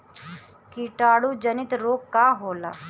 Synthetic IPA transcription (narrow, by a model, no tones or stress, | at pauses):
kiʈaːɽuːd͡ʒənɪt̪ɾoːkːaːɦoːla̰ː